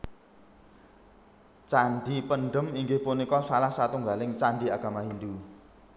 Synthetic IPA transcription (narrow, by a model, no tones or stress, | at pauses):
t͡ʃaɳɖipəɳɖəmiŋɡɪhpunikɔsalahsat̪uŋɡalɪŋt͡ʃanɳɖiaɡ̥a̤maɦind̪u